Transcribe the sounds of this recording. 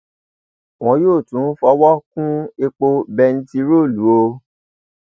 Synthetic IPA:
w̃ɔ̃˧˦joː˦˨tũ˨˦fɔ˧˦wɔ˦kũ˦e˧k͡po˧bɛ˧n̩˦ti˧ɾo˦˨lu˨˦o˧

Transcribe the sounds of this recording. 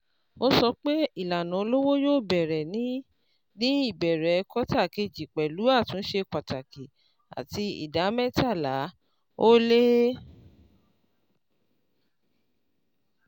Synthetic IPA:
o˧sɔ˧k͡pe˦i˦˨la˨nã˨o˧lo˦wo˦jo˦˨bɛ˨ɾɛ˨nĩ˨˦ | nĩ˦i˦˨bɛ˨ɾɛ˨˧kɔ˦ta˦˨ke˧˨d͡ʒi˨k͡pɛ˨lu˨˦a˦˨tũ˨˦ʃe˧k͡pa˨ta˨ki˨ | a̰˨ti˧ḭ˨da˨˦mɛ˦ta˦˨la˨˦ | o˦le˦

